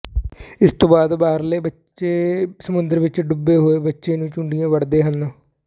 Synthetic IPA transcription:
ɪst̪õːbaːd̪baːɦəɾleːbə | eːsəmʊnd̪əɾʋɪt͡ʃɖʊbːeːɦoːeːbətːʃeːnũːt͡ʃʊɳɖijãːʋəɽd̪eːɦənõː

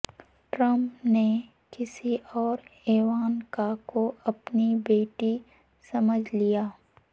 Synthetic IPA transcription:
ʈɾə̃mpne | kɪsiɔːɾeːʋaːnkakoɐpnibeːʈi | sɐməd͡ʒʱlijaː

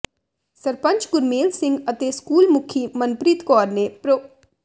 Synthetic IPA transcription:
səɾpə̃ɲt͡ʃɡʊɾmeːlsɪ̃ŋɡət̪eːskuːlmʊkʰiːmənpɾɪt̪kɔːɾneːpɾo

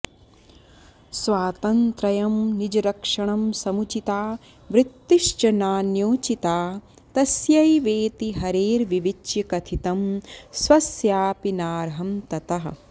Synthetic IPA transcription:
swaːt̪ɐnt̪ɾɐjɐmnid͡ʒɐɾɐkʂɐɳɐmsɐmut͡ʃit̪aː | ʋɾɪt̪ːiʃt͡ʃɐnaːnjoːt͡ʃit̪aː | t̪ɐsjɐjʋeːt̪iɦɐɾeːɾʋiʋit͡ʃjɐkɐt̪ʰit̪ɐmsʋɐsjaːpinaːɾɦɐmt̪ɐt̪ɐɦɐ̰̆

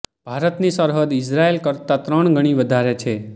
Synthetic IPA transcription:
bʱaɾət̪nisəɾɦəd̪ɪsɾaelkəɾt̪at̪ɾəɳ̃ɡʱəɽ̃iʋəd̪ʱaɾet͡ʃʰe

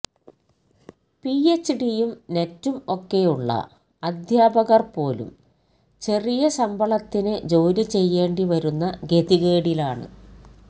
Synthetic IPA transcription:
piet͡ɕːɖijumne̞tːumo̞kːe̞juɭːɐ̰ | ɐd̪ʱjaːbɐɣɐrpo̞ːlṵm | t͡ɕe̞rijɐsɐmbʱɐɭɐt̪ːinɨd͡ʑo̞ːɾit͡ɕe̞jːe̞ːɳɖiʋɐɾunːɐɡe̞ðiɣeːɽilaːɳɨ̰

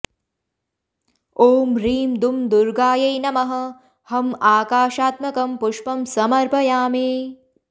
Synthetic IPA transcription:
oːmɾiːmd̪umd̪uɾɡaːjɐjnɐmɐɦɐ̆ | hɐmaːkaːʃaːt̪mɐkɐmpuʂpɐmsɐmɐɾpʰɐjaːmeː

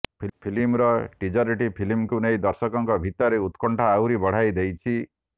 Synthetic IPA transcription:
pʰpʰilimɾɔʈid͡ʒɔɾiʈipʰilimkunejd̪ɔɾsɔkɔŋkɔbʱit̪ɔɾeut̪kɔɳʈʰaːwɾibɔɽ̤ajd̪ejt͡ʃʰi

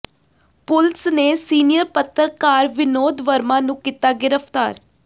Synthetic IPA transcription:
pʊlsneːsiːnɪjəɾpət̪ːəɾkaːɾʋɪnoːd̪ʋəɾmãːnũːkit̪aːɡɪɾəpʰt̪aːɾ

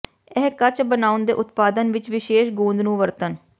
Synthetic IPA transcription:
ɛɦkət͡ʃbənaːʊnd̪ḛːʔʊt̪paːd̪ənʋɪt͡ʃʋɪʃeːʃɡũːnd̪nũːʋəɾt̪ən

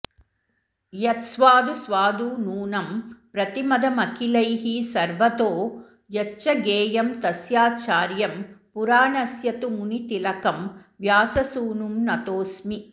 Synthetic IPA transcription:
jɐt̪sʋaːd̪usʋaːd̪uːnuːnɐmpɾɐt̪imɐd̪ʱɐmɐkilɐjɦisɐɾʋɐt̪oː | jɐt͡ʃːɐɡeːjɐmt̪ɐsjaːt͡ʃaːɾjɐmpuɾaːɳɐsjɐt̪umunit̪ilɐkɐm | ʋjaːsɐsuːnumnɐt̪oːsmi

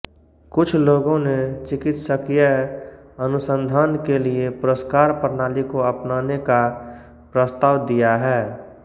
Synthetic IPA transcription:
kʊt͡ʃʰloːɡõnet͡ʃɪkɪt̪səkjə | ənʊsə̃nd̪ʱaːnkeliepʊɾəskaːɾpəɾnaːlikoəpnaːneka | pɾəst̪aːʋd̪ijaɦɛː

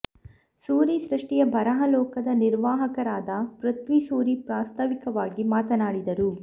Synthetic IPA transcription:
suːɾisɾɐʂʈijɐbʱɐɾɐɦɐlɔːkɐd̪ɐniɾʋaːɦɐkɐɾaːd̪ɐpɾɐt̪ʋisuːɾipɾaːst̪ʰɐʋikɐʋaːɡimaːt̪ɐnaːɽid̪ɐɾu

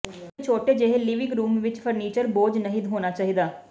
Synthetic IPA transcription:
t͡ʃʰoːʈeːd͡ʒeɦeliːʋɪŋɡɾuːmʋɪt͡ʃpʰəɾniːt͡ʃəɾboːd͡ʒnəɦid̪ɦoːnaːt͡ʃaːɦid̪aː

